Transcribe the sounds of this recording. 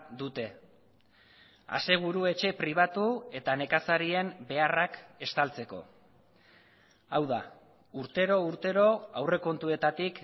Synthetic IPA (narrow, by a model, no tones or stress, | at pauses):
d̪ut̪e̞ | a̰se̞ɣ̞uɾue̞t͡ʃe̞pɾiβ̞at̪ue̞t̪ane̞kasaɾie̞mbe̞arake̞st̪alt͡se̞ko̞̰ | awða | uɾt̪e̞ɾo̞uɾt̪e̞ɾo̞awre̞ko̞nt̪ue̞t̪at̪ik